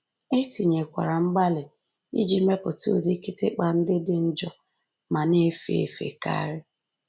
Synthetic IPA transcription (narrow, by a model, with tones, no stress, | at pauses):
e˦ti˨ɲe˨kʷa̰˨ɾa˨ŋ͡m̩˦ɡ͡ba˦lɪ˨ | ḭ˦d͡ʒi˦me˦pʊ˨to˦di˦ki˦tɪ̰˦k͡pa˨n̩˦dɪ˦dɪ˨n̩˦d͡ʒɔ˦ | ma˨ne˦fe˦˨ḛ˨fḛ˨ka̰˦ɾɪ˦